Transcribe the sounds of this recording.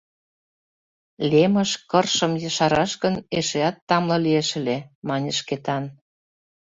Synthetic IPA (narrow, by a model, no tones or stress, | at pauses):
lʲemə̆ʃkɤrʃə̆mjə̆ʃɑɾɑʃkə̆neʃeɑt̪ːɑmlɤlieʃə̆lemɑnʲəʃket̪ɑn